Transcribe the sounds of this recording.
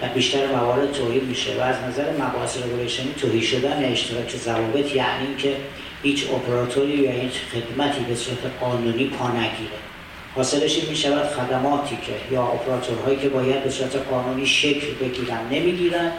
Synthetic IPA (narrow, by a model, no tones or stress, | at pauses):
væbiːʃt̪æɾemævɒːɾe̞d̪̥̚t̪ʰoːhiːd̪̚miːʃḛvæːznæzæɾemæbɒːheseɾoboɾeʃeniːt̪ʰoːhiːʃo̞d̪æneeʃt̪ʰeɾɒːcʰe̞zævɒːbe̞t̪ʰjæʔniincʰe̞ | hiːt͡ʃʰopʰeɾɒːt̪ʰoɾiːvæhiːt͡ʃʰxe̞d̪mæt̪ʰiːbe̞suːɾæt̪ʰeɡɒːnuːniːpʰɒːnæɟiːɾe | hɒːse̞ɾeʃinmiːʃævæd̪̥xæd̪æmɒːt̪ʰiːcʰejɒːʔo̰pʰeɾɒːt̪ʰoɾɦɒːiːcʰe̞bɒːjæd̪̚be̞suːɾæt̪ʰeqɒːnuːniːʃe̞cʰlbe̞ɟiːɾænd̪nemiːɟiːɾænd̪